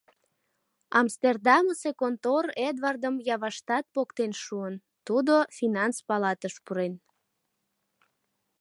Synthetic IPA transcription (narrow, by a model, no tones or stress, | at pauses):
ɑmst̪erd̪ɑməsekont̪ored̪vɑrd̪əmjɑβɑʃt̪ɑt̪̚pokt̪enʃuən | t̪ud̪ofinɑnspɑlɑt̪əʃpuɾen